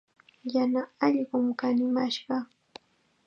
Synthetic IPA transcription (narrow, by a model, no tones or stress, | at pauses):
janaɑʎɢʊmkanɪmaʃɢɑ